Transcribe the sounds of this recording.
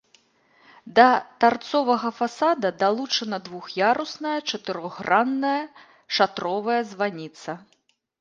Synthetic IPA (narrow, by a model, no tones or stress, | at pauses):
d̪ɐt̪art̪sɔvɐɣɐfasad̪ɐd̪alˠut͡ʂɐnɐd̪vuxjaɾusnɐjɐt͡ʂɐt̪ɨɾɔɣranːɐjɐ | ʂat̪ɾɔvɐjɐzvanʲit̪sɐ